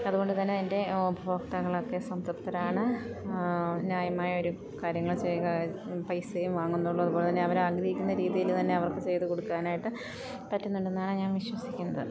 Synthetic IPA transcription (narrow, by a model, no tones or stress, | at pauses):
ɐðuɣo̞ɳɖɨt̪ɐnːet̪ɐinde̞obʱɐʋɐkt̪ɐɣɐɭo̞kːe̞sɐmt̪ɐpt̪ːɐɾaːɳɨ | njaːjɐmaːjɐo̞ɾu | kaːɾjɐŋːɐɭt͡ɕejkɐ | pɐjsejumʋaːŋːunːuɭːuɐðuboːɭt̪ɐnːeɐʋɐɾaːɡɾɐhikʲːunːɐɾiːðijilt̪ɐnːe̞ɐʋɐrkɨt͡ɕe̞jt̪ːɨko̞ɽukːaːnaːjiʈːɨ | pɐtːunːuɳɖenːaːɳɨɲaːnʋiɕwɐsikʲːunːɐðɨ̰